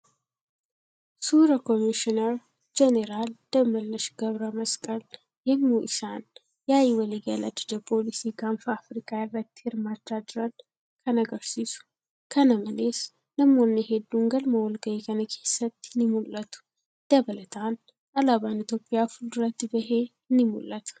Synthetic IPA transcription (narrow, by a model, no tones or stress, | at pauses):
suɾɐkomiʃɪnɐɾ | d͡ʒɛnɛɾald̪̥ɐmɐlːɐʃɡ̥ɐβɾɐmɐskʼɐl | hɪmmuʔɪʃan | jajɪwɐliɡa̰la̰d͡ʒɪd͡ʒ̪ɐpʰo̞lisiɡamfafɾikʰaɪrːɐt̪ːhɪɾmaːdad̪ɪɾɐn | kʰɐnɐɡɐɾsiːsʊ̥ | kʰɐnɐmɐleːs | nɐmoːnːeɦɛd̪ːuŋɡɐlmɐwɔlɡɐjekʰɐnɐkʰe̞ːsːɐt̪ːɪnɪmʊlːɐt̪ʊ̥ | d̪̥ɐbɐlɐt̪ʰaːn | ɐlabaːnɪt̪jo̞ːpʼːɪjaːfʊlɾɐt̪ːɪbɐɦeː | ɪnːɪmṵlːɐt̪ʰɐ̥